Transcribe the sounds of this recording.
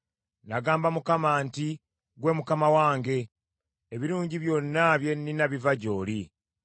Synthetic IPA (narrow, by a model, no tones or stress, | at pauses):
naɡaːmbamukamaːnti | ɡwe̞ːmukamawaːŋɡe̞ | eβiɾuːɲɟiβjonːaβje̞ninaβivaɟo̞ːli